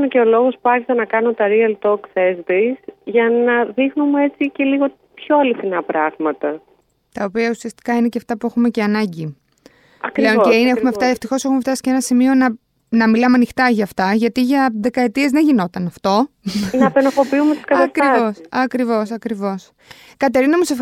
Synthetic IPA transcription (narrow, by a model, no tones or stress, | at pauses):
neceo̞lo̞ɣo̞spuɐɾçisɐnɐkɐnot̪ɐɾiɐlt̪oksezd̪isʝɐnɐðixnumue̞t͡sice̞liɣo | pçoɐliθinɐpɾɐɣmɐt̪ɐ | t̪ɐo̞piɐusiɐst̪i̥kɐine̞ceɐft̪ɐpue̞xume̞ceɐnɐɲɟi | ɐkpɾle̞oneieumefft̪ɐeft̪ixo̞se̞xumeft̪ɐsi̥ceenɐsimio̞nɐ | nɐmilɐmeɐnixt̪ɐʝɐːft̪ɐʝɐt̪iʝɐðe̞kɐe̞t̪iezðe̞ɲʝino̞t̪ɐnɐft̪o̞nɐpenofo̞piumet̪uskɐɐskɾiɐvosɐkɾivo̞s̬ɐkɾivo̞s | kɐt̪e̞ɾinɐmusef